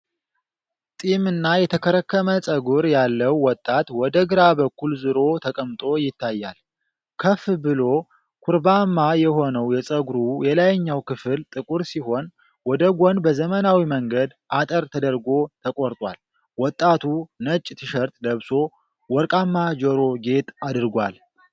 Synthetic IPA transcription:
t̪ʼimɨnːajɛt̪ʰəkʰəɾəkːəməsʼəɡuɾjalːəwːɔt̪ʼːat̪wɔd̪əɡɨɾabəkːulzɨɾo̞t̪ʰəkʼəmt̪ʼo̞jɪt̪ʰːajːa̰l | kʰəfbɨlo̞ | kʰuɾbamːajɛho̞nəwjɛsʼəɡuɾujɛlajɲːawkʰɨfɨlt̪ʼɨkʼuɾsiho̞n | wɔd̪əɡʷonbəzəmənawiməŋɡəd̪ʔat̪ʼəɾt̪ʰəd̪əɾɡo̞t̪ʰəkʼoɾt̪ʼwa̰l | wɔt̪ʼːat̪ʰunət͡ʃʼːt̪ʰɨʃəɾt̪ʼd̪əβso̞ | wɔɾkʼamːad͡ʒoɾo̞ɡe̞t̪ad̪ɨɾɡʷal

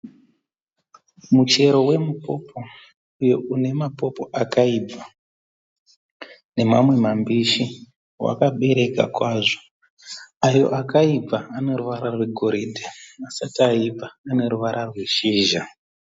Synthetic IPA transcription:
mut͡ʃe̞ɾo̞we̞mupo̞pʰo̞ | ujo̞ʔune̞mapo̞po̞ʔakaib͡vʱa | ne̞mamwe̞mambiʃi | wa̰kaɓe̞ɾe̞ka̰kwaːʐo | ajo̞̰ʔakaib͡vaane̞ɾuʋaɾarwe̞ɡʱo̞ɾidʱaasatiaib͡vaːne̞ɾuʋaɾʔarwe̞ʃiːʒa

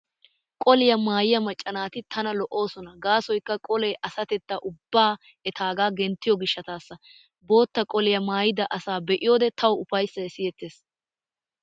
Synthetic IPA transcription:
kʼɔlɪjɐmaːjɪjɐmɐt͡ʃʼːɐnaːt̪ɪt̪ʰɐnɐlɔʔo̞ːsɔnɐɡaːsɔjkːɐkʼɔlɛjʔɐsɐt̪ɛt̪ːɐʔʊbːaː | ɛt̪ʰaːɡaːɡɛnt̪ːɪjɔɡɪʃːɐt̪aːsːɐ | bo̞ːt̪ːɐkʼɔlɪjɐmaːjɪd̪ɐʔɐsaːbɛʔɪjo̞ːd̪ɛt̪ɐwʊfɐjsːɐɛsɪjɛt̪ːeːs

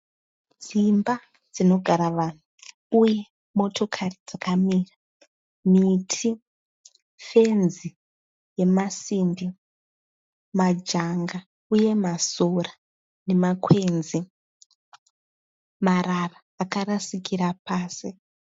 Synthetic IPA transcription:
d͡zimba | d͡zino̞ɡʱaɾaʋan̤u | uje̞ | mo̞tʰo̞kʰarid͡zakamiːra | mitʰi | fe̞nzi | je̞masimbi | mad͡ʒaŋɡa | uje̞masora | ne̞makʰwe̞nzi | mararaːkarasikiɾapaːsi

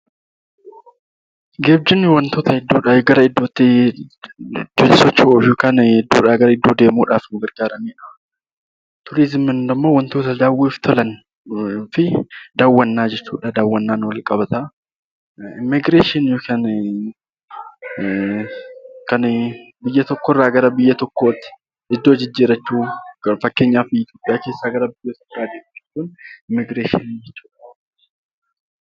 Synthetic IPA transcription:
ɡeːb̚d͡ʒɪnwɐnt̪oːt̪ɐɪd̪ːoːᶑaːjɡɐɾɐɪd̪ːoːt̪ːɪ | d͡ʒʊt̪sɔt͡ʃːɐoːfjoːkaːnɪd̪ːoːᶑaːɡɐɾɐɪd̪ːoːd̪e̞ːmuːᶑaːfnʊɡɐɾɡ̥aːɾɐniːᶑɐ̥ | t̪ʊɾizɪmɪnd̪ɐmːoːwɐnt̪oːt̪ɐd̪aːwːeːft̪ʰɔlɐn | fɪd̪aːwːɐnːaːd͡ʒɛt͡ʃːuːᶑɐd̪aːwːɐnːaːnwɐlkʼɐbɐt̪ɐ | ɪmːɪɡɾeːʃɪnjokaːn | kɐn | bɪjːɐt̪ɔkːorːaːɡɐɾɐbɪjːɐt̪ɔkːoːt̪ːɪ̥ | ɪd̪ːo̞ːd͡ʒɪd͡ʒːiːɾɐt͡ʃːuːɐfɐkːe̞ːɲːaːfɪɪt̪joːpʼɪjaːke̞ːsːaːɡɐɾɐbɪjːɐt̪ɔaːd̪eːd͡ʒɛt͡ʃːuːnɪmːɪɡɾeːʃɪ̰nid͡ʒɛt͡ʃːuːᶑɐ

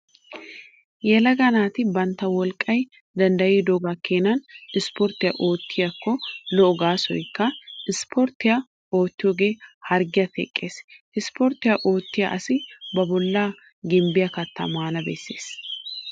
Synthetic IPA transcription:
jɛlɐɡɐnaːt̪ɪbɐnt̪ːɐwɔlkʼːɐj | d̪ɐnd̪ɐjiːd̪oːɡakːeːnɐnɪspɔɾt̪ːɪjɐʔo̞ːt̪ʰːɪjɐkːɔlɔʔɔɡaːsɔ̰jkːɐɪspʰɔɾt̪ːɪjɐ | o̞ːt̪ːɪjoːɡe̞ːhɐɾɡɪjɐt̪ʰɛ̰kʼːeːs | ɪspɔɾt̪ːɪjɐʔo̞ːt̪ːɪjɐ̰ʔɐsɪbɐbɔlːaː | ɡɪmbɪjɐkɐt̪ːɐ̰maːnɐbḛːsːe̞̰ːs

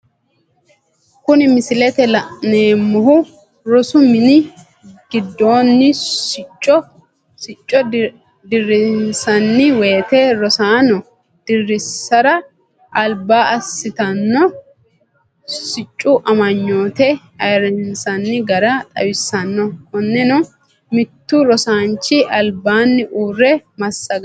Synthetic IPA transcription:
kʊnɪmɪsɪlɛt̪ɛlɐʔneːmːɔɦʊ | ɾɔsʊmɪnɪ | ɡ̥ɪd̪ːo̞ːnːɪɪt͡ʃʼːɔ | sɪt͡ʃʼːɔ | d̪ɪrːɪnsɐnːɪwe̞ːt̪eɾɔsaːnɔ | d̪̥ɪrːɪsːɐɾɐ | ʔɐlbaːɐsːɪt̪ɐnːɔ | sɪt͡ʃʼːʊʔɐmɐɲːoːt̪ɛ | ɐjɾɛnnsɐnːɪɡɐɾɐt̪ʼɐ̰wɪsːɐnːɔhɔnːɛnɔ | mɪt̪ːʊɾɔsaːnt͡ʃːɪʔɐlbaːnːɪʔuːrːɛmɐsːɐɡ

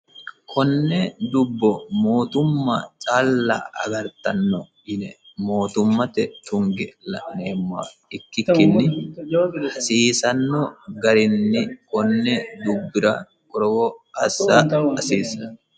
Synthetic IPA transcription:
kʰɔnːɛd̪ʊbːɔmo̞ːt̪ʊmːɐt͡ʃʼaːlːɐ̰ʔɐ̰ɡɐɾt̪ɐnːɔ | ɪnɛ | mo̞ːt̪ʊmːɐt̪ɛt̪ʊŋɡɛlɐ̰neːmːa̰ɪkːɪkːɪnːɪ | ɐsiːsɐnːɔɡɐɾɪnːɪkɔnːɛd̪ʊbːɪɾɐ | kʼɔɾɔɡɔɐsaɐsiːsɐ

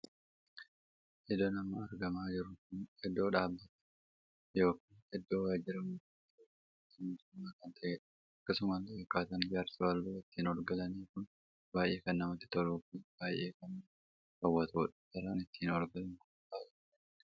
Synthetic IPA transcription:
ʔɪd̪oːnɐmːɐɐɾɡɐmaːd͡ʒɪɾʊkʊnhɛd̪ːo̞ːᶑaːbːɐt̪ɛ̥ | jo̞ːkaːnhɛd̪ːo̞ːwaːd͡ʒɪɾɐmuːkɐ | t̪ːɪmuːt̪ʊmːaːkɐnt̪ʰɐʔɛ | ɐkːɐsʊmaːnt̪ɐʔɛkːaːt̪ɐnd͡ʒaːɾsɐwɐlːuːɪt̪ːiːnɔɾɡɐlɐniːkʊn | baːjʔe̞ːkɐnːɐmɐt̪ːɪ̥t̪ɔɾuːfib̥aːjʔe̞ːkɐn | fɐwːɐt̪ʰoːᶑɐ̥t̪ːɐɾɐnɪt̪ːiːnɔɾɡɐlɐŋkʊnbaːjɛ | ɛn

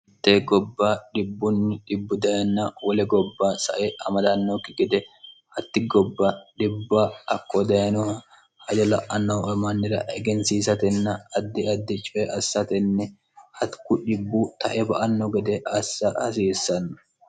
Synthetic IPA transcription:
ɪt̪ːeːɡɔbːaːɗɪbːʊnːɪᶑɪbːʊd̪ɐjɐnːɐwɔlɛɡɔbːaːsɐ̰ʔɛʔɐmɐd̪ɐnːokːɪɡɛd̪ɛhɐt̪ːɪɡɔbːaɗɪbːaːɐkːɔd̪ɐjɐnɔhɐ | hɐd͡ʒɔlɐʔɐnːɐwɐmɐnːɪɾɐ̰ʔɛɡɛnsiːsɐt̪ɛnːɐɐd̪ːɪɐd̪ːɪt͡ʃʼɔɛʔɐsːɐt̪ɛnːɛ | hɐt̪kʊᶑɪbːut̪ɐ̰ʔɛbɐʔɐnːɔɡɛd̪ɛʔɐsːɐhɐsiːsːɐnːɔ̥

